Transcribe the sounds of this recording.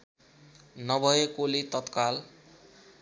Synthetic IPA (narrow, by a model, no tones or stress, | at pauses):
nʌbʱʌjekolit̪ʌt̪kal